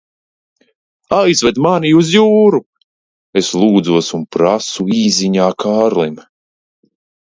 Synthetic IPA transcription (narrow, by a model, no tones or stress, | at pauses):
ajzvɛd̪maniuzjuːɾu | eslˠuːd̪zuɔsunpɾasuiːziɲaːkʰaːɾlˠim